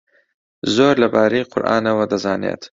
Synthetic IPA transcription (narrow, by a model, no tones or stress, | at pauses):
zoːɾlɐbaːɾijqʰʊɾʔa̰ːnɐwɐd̪ɐzaːnḛːt̪